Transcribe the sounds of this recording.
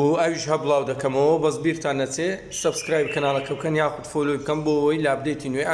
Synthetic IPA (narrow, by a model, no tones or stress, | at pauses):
uɐwiʃhɐbɨlˠɑːwd̪ɐkɐmɐwɐbɐzbiːɾt̪ʰaːnːɐt͡sʰe | sɐbskɾaːjb̚kʰɐnaːlˠɐkʰɐbkʰɐnjaːxud̪folojbɨkɐmboɐwɐjlaːbɨd̪ejt̪ʰinwe